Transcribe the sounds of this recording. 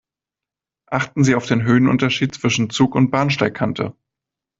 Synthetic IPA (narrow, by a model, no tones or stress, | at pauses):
ʔaχtn̩ziːaʊfd̥eːnɦøːənʔʊ̰ntɐʃiːt̚t͡sv̥ɪʃn̩t͡suːkʊnt̚b̥aːɐnʃtaɪkʰantʰə̰